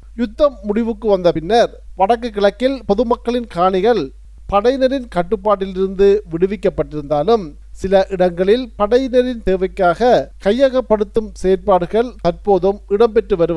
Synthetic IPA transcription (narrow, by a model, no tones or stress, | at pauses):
jʊt̪ːɐmːʊɽɪʋɯkːɯʋɐnd̪ɐpɪnːɐɾ | ʋɐɽɐkːɯkːɪɭɐkːɪlpɔðɯmɐkːɐɭɪnkaːɳɪɣɐɭ | pɐɽɐɪjnɐɾɪnkɐʈːɯpːaːʈ̬ːɪlɪɾɯnd̪ɯʋɪɽɯʋɪkːɐpːɐʈːɪɾɯnd̪aːlɯm | sɪlɐʔɪɽɐŋɡɐɭɪlpɐɽɐjnɐɾɪnt̪eːʋɐɪkːaːɣɐkɐjːaɣɐpːɐɽɯt̪ːɯmseːɾpaːɽɯɣɐɭt̪ɐɾpoːðɯmɪɽɐmpɛʈrɯʋɐɾɯ